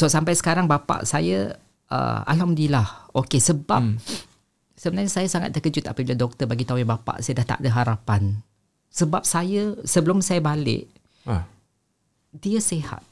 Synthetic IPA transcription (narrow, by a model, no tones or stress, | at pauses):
sɔsampajsə̥kaɾaŋbapa̰ʔsaja | ʔə̰a̰lɦamdilahokesəbap̚ | səbənarɲasajasaŋat̪̚ːəkəd͡ʒʊt̪apabiladɔk̚t̪ərbaɡit̪aujabapa̰ʔsajadaht̪a̰ʔdəɦaɾapan | səbap̚sajasəbəlʊmsajabalɪ̰ʔ | diəseha̰t̪̚